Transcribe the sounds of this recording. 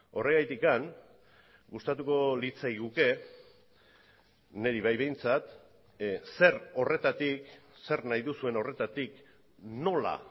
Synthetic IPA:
o̞re̞ɣajt̪ikaŋ | ɡust̪at̪uko̞lit͡sajɣuke̞ | ne̞ɾiβ̞ajβe̞jnt͡sat̪ | se̞ro̞re̞t̪at̪ikse̞rnajðusue̞no̞re̞t̪at̪ik | no̞la̰

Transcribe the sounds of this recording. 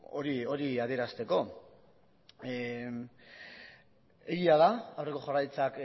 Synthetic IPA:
o̰ɾio̞ɾiað̞ie̞ɾast̪e̞ko̞ | e̞ɣiaðaawre̞ko̞ʝarajt͡sak

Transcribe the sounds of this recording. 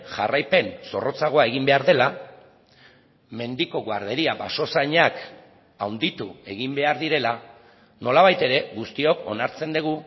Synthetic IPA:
ʝa̰rajpe̞nso̞rʔo̞t͡saɣ̞o̞ae̞ɣ̞imbe̞aɾðe̞la | me̞nd̪iko̞ɣoaɾðe̞ɾiaba̰so̞sajɲak | awnd̪it̪ue̞ɣimbe̞aɾðiɾe̞la | no̞laβajt̪e̞ɾe̞ɣust̪io̞ko̞̰naɾt͡se̞nd̪eɣ̞u

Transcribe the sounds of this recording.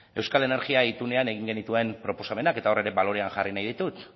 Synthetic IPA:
e̞wskale̞ne̞ɾɣiait̪une̞ane̞ɣ̞iŋɡe̞nit̪ue̞mpɾo̞po̞same̞nake̞t̪ao̞re̞ɾe̞βalo̞ɾe̞anʝarinajð̞it̪ut̪

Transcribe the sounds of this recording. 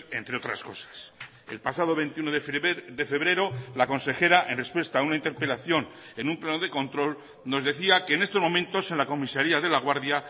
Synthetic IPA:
e̞̰nt̪ɾeo̞t̪ɾa̰sko̞sḁs | e̞̰lpasaðo̞βe̞nt̪iunoðe̞fe̞βɾe̞ɾo̞lako̞nse̞xe̞ɾaʔe̞nre̞spwe̞st̪aunaint̪e̞ɾpe̞laθjo̞n | e̞nũmplanoðe̞ko̞nt̪ɾo̞l | no̞zðe̞θiakeːne̞st̪omõ̞mẽ̞nt̪o̞se̞nlako̞misaɾiaðe̞laɣ̞waɾðja

